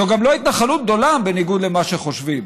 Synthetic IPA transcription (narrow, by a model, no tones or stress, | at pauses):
oɡamloit̪naχalut̪̚ɡ̚d̪o̞labe̞niɡud̪le̞maʃeχo̞ʃvim